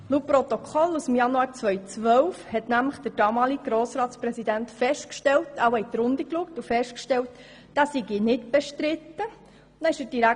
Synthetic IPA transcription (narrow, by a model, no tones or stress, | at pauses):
lupɾɔt̪ɔkʰχɔlusəmjɑnuɑːɾt͡sʋœjt͡sʋœwfhɛt̪næmləχd̥əɾd̥ɑːmɑːliɡɡ̥ɾoːsɾɑːtspɾɛsidæntfɛʃtkʃtɛltɑwhɛt̚tɾʊnd̪ikluəktufɛʃtkʃtɛlt | d̥asiɡinɪtb̥ɛʃtɾɪt̪ːə | nɛɪʃəd̥iɾæ